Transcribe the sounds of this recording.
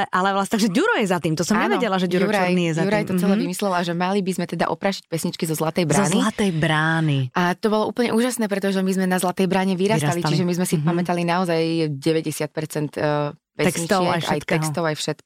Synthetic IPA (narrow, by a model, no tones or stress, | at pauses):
ʔalɛlast̪aɡʒɛɟuɾɔjɛzat̪iːmt̪ɔsɔmɲɛʋɛɟɛlaʒɛuɾuɾaj̪jɛzauɾajt̪ɔt͡sɛlɛːʋimislɛlaʒɛmalibizmɛt̪ɛd̪a̰ʔɔpɾaːʃi̥c̚pɛsɲit͡ʃkizɔzlat̪ɛjbɾaːnilat̪ɛjbɾaːniʔat̪ɔbɔlˠɔṵːpl̩ɲɛ̰ʔuːʒasnɛːp̬ɾɛt̪ɔʒɛmizmɛnazlat̪ɛjbɾaːɲɛʋiɾasalit͡ʃiʒɛmizmɛsipamɛt̪alinaɔzajɟɛʋɛɟɛsɪat̪̚pɛɾt͡sɛnt̪ː | pɛɛsɲit͡ʃɪɛajkaɛ̰jt̪t̪ɛɦkst̪ɔʊajfʃɛt̪̚k